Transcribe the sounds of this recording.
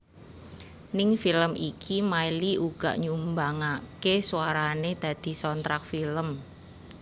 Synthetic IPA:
nɪŋfiləmikʰimailiʔuɡ̥a̤̰ʔɲumbaŋakesuaɾaned̪̥ä̤d̪̥i̤sɔnt̪ɾak̚filəm

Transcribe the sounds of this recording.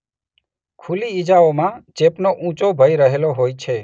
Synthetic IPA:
kʰuliid͡ʒaomãt͡ʃepnoʔũt͡ʃobʱəiɾəɦeloɦojt͡ʃʰe

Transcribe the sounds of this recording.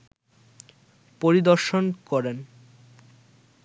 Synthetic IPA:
poɾid̪oɾʃonkɔɾen

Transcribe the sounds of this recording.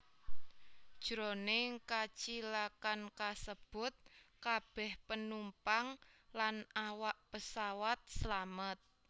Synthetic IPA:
d̥ʒ̥ɾoneŋkat͡ʃilakankasəb̥ʊt̪̚kab̥ɛhpənumpaŋlanawaʔpəsawat̪̚səlamət̪̚

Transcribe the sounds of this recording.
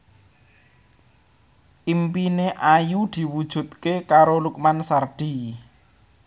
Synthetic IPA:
ʔimpineʔajud̪̥i̤wud̥ʒ̥ṳt̪̚kekaɾoluk̚mansard̪̥i

